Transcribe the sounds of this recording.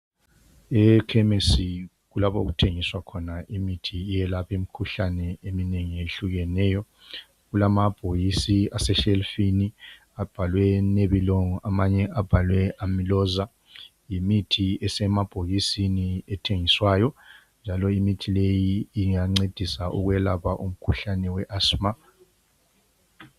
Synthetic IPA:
ɛkʰɛmesi | ɣulaβoɣutʰeŋiswakʰɔnaimitʰiːjɛlapemikʰuɬanɛemineŋieɬuɣɛnɛːjɔ | ɣulamab̥ʱoɣisiasɛʃelfini | ab̥ʱalwɛneβiloŋɔʔamaɲɛʔab̥ʱalwɛamilɔza | jimitʰiɛsɛmab̥ʱoɣisiniɛtʰeŋiswaːjɔ | nd͡ʒʱalɔimitʰilejiːŋaŋ͡ǀed̥ʱisaʔuɣwɛlapaʔum̩kʰuɬanɛwɛʔasma

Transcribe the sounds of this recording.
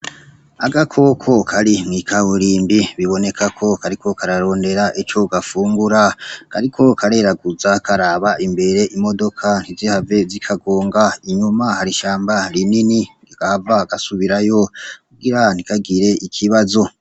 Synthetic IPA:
aɡakʰo̞ːkʰo̞kʰaɾimŋikʰawuɾiːmbiβiβo̞ne̞kʰakʰo̞kaɾikʰo̞kaɾaɾo̞ːnde̞ɾaʔit͡ʃo̞ɡafuːŋɡuɾaka̰ɾikʰo̞kʰaɾe̞ːɾaɡuzakʰaɾaːβaʔimbe̞ɾe̞ʔimo̞do̞kʰan̥izihave̞zikʰaɡo̞ːŋɡaiɲumahaɾiʃaːmbaɾininiɾiɡ̥aavaɡ̥asuβiɾajo̞kuɡiɾan̥ikaɡiɾe̞ʔikʰiβazo̞

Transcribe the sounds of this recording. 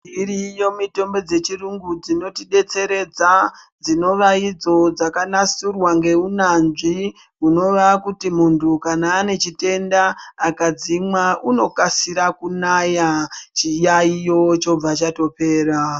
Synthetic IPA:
iɾijo̞mito̞mbo̞d͡ze̞t͡ʃiruŋɡud͡zino̞tiɗe̞t͡se̞ɾe̞d͡za | d͡zino̞ʋaid͡zo̞d͡zakanasurwaŋɡe̞unanʐi | uno̞ʋakutimuntʰukanaːne̞t͡ʃite̞ndaːkad͡zimwauno̞kasiɾakunajat͡ʃijaijo̞t͡ʃo̞b͡vat͡ʃato̞pe̞ːɾa

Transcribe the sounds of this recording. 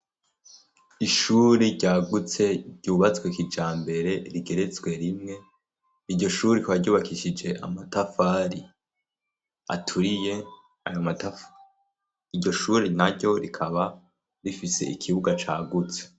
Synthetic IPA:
iʃuːɾiɾɟaːɡut͡se̞ɾɟ̥uːβat͡swekid͡ʒaːmbe̞ɾe̞ɾiɡe̞ɾe̞t͡sɡwe̞ɾimŋe̞ | iɾɟo̞ʃuːɾeiikaβaɾɟuːβakiʃid͡ʒe̞ʔa̰matafaːɾi | a̰tʰuɾije̞ | a̰jomatafa | iɟo̞ʃuːɾinaɾɟo̞ɾikʰaβa | ɾifise̞̰ʔikʰiβuɡat͡ʃa̰ːɡut͡se̥

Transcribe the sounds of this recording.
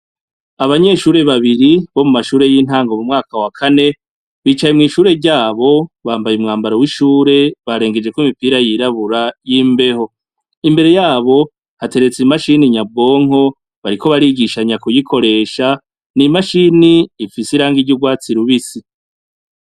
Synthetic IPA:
aβaɲe̞ːʃuːɾe̞βaβiɾiβo̞mumaʃuːɾe̞jiːn̥haːŋɡomumŋaːkawakʰane̞ | βiːt͡ʃajemŋiːʃuːɾe̞ɾɟaːβo̞βaːmbajumŋaːmbaɾowiʃuːɾe̞βaɾe̞ːŋɡe̞d͡ʒe̞kwimipiɾajiɾaβuɾajiːmbe̞ɦo̞ | imbe̞ɾe̞jaːβo̞ | hate̞ɾe̞t͡simaʃiniɲab̚ɡo̞ːŋ̥o̞ | βaɾiko̞βaɾiɡiʃaɲakujikʰo̞ɾe̞ːʃa | nimaʃiniːfisiɾaːŋɡiɾɟuɡwaːt͡siɾuβisi

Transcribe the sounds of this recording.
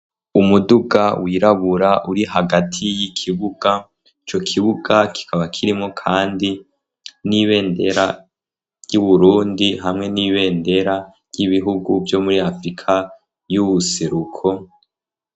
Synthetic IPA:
umuduɡawiːɾaβuɾaʔuɾiɦaɡatʰijikʰiβuɡ̥a | it͡ʃo̞kʰiβuɡakʰi̥kʰaβakʰiɾimŋo̞kʰaːndi | niβe̞ːnde̞ɾa | juβuɾuːndiɦamŋe̞niβe̞ːnde̞ɾa | jiβiɦuɡuvjo̞muɾiafɾikʰa | juβuse̞ɾukʰo

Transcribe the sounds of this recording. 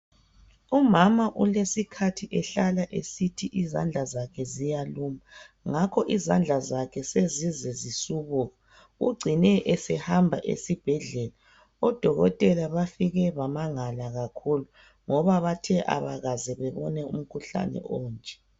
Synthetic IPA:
umamaʔulesikʰatʰiʔɛɬalaʔesitʰiʔiza̰nd͡ɮʱazakʰɛzijaluma | ŋakʰɔʔizand͡ɮʱazakʰɛsezizɛzisuβuːɣa | ṵɡ͡ǀʱinɛʔɛsɛhambʱaʔḛsib̥ʱɛɮɛla | ɔd̥ʱɔɣɔtʼɛlaβafiɣɛβamaŋalaɣakʰulu | ŋɔβaβatʰɛʔa̰βaɣazɛβɛβɔnɛṵm̩kʰuɬa̰nɛ̰ʔɔːnd͡ʒʱʼɛ̥

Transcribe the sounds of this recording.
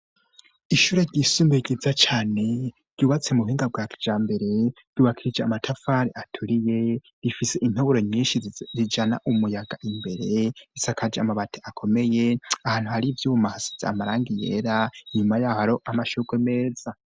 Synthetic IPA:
iʃuɾeɾɟisuːmbeɟizat͡ʃaːne̞ | ɾɟ̥uːβat͡se̞muuhiːŋɡab̚ɡwaːki̥d͡ʒaːmbe̞ɾe̞̥ | uːβakʰiɾid͡ʒeamatʰafaːɾiʔatʰuɾije̞ | ɾifise̞ʔin̥hoβuɾo̞ɲiːnʃizid͡ʒana̰ʔumujaɡaʔimbe̞ɾe̞isakʰad͡ʒamaβatʰeʔakʰo̞me̞je̞ahaːn̥huhaɾivjuːβumahasi̥zea̰maɾaːŋɡijḛːɾaɲumajaːoaɾoʔamaʃuɡweme̞ːz̥a

